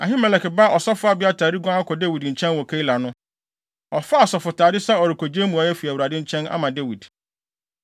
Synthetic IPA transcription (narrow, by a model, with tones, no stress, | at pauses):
a˨ɦɪ̃˦mɛ˨lɛ˨kɪ˨ba˦ʔɔ˨sɔ˦fʊ˦a˦bɪ˦a˦tʰa˨ɾi˦ɡɔ̃˦a˦kʰɔ˨de˦wi˨dɲ̩˨t͡ɕʰɛ̃˦nwɔ˨kʰe˦i˦la˨nʊ̃˦ | ɔ˨fa˦a˨sɔ˨fʊ˨tʰaː˨dɪ˦sɛ˦ɔ˨ɾɪ˨kʰo˨d͡ʑe˦mũ˨a˨jɛ˦fi˨æ˨wu˨ɾa˨dɪ̃˦ɲ̩˦t͡ɕʰɛ̃˦na̰˦mã˨de˦wi˨d